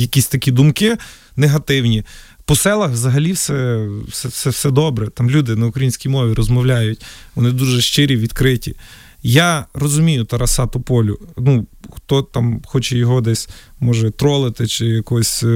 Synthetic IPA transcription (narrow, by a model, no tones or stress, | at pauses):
jɐkʲisʲt̪ɐkʲid̪umkɪ | neɦɐt̪ɪwnʲi | pɔsɛlˠɐxzɐɦɐlʲiwsɛsɛsɛwsɛd̪ɔbɾɛt̪ɑmlʲud̪ɪnɐʊkɾɐjinʲsʲkʲijmɔʋʲiɾɔzmɔwlʲajʊtʲʋɔnɪd̪uʒɛʃt͡ʃɪɾʲiʋʲid̪kɾɪtʲḭ | jarɔzʊmʲijʊt̪ɐɾɐsɑt̪ʊpɔlʲʊnuxt̪ɔt̪amxɔt͡ʃɛjɔɦɔd̪ɛsʲmɔʒɛt̪ɾɔlˠɪt̪ɪt͡ʃɪjɐkɔsʲ